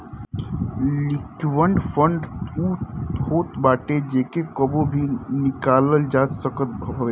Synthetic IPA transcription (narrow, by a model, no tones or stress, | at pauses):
lɪkʋəɳɖfʰəɳɖuːhoːt̪baːʈed͡ʒeːkekəbobʱinɪkaːləld͡ʒaːsəkət̪̚bʱbʱəʋe